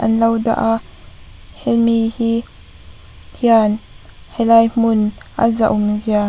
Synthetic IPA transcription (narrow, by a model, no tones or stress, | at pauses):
ʔɐnlɐwda̰ʔaʔ | hɛlmihi | hianhɛlajm̥ʊnʔa̰za̰ʔuminzia